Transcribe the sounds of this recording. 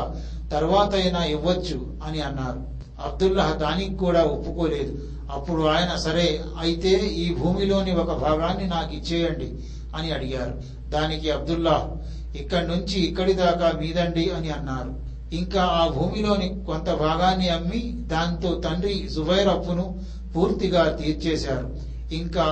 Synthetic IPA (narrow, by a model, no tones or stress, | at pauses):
t̪ɐɾʋaːt̪ɐjɐnaːiʋːɐt͡ʃːu | ɐniɐnːaːɾu | ɐbd̪ulːɐɦd̪aːnikikuːɽaːopːuko̞ːle̞ːd̪u | ɐpːuɽuaːjɐnɐsɐɾeː | ɐjit̪e̞ːiːbʱuːmilo̞ːniɔkɐbʱaːɡaːnːinaːkit͡ʃːɛːjɐɳɖi | ɐniɐɽiɡaːɾu | d̪aːnikiɐb̚d̪ulːaːɦ | ikːɐɽnuɲt͡ʃiːkːɐɽid̪aːkaːmiːd̪ɐɳɖiɐniɐnːaːɾu | iŋkaːaːbʱuːmilo̞ːnikont̪ɐbʱaːɡaːnːiɐmːi | d̪aːnit̪o̞ːt̪ɐɳɖɾisuʋɐjɾɐpːunu | puːɾt̪iɡaːt̪iːɾt͡ʃeːsaːɾu | iŋkaː